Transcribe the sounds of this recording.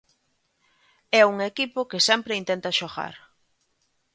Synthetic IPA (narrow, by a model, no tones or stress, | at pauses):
ɛuŋekipokesɛmpɾeint̪ent̪ɐʃoɣa̰ɾ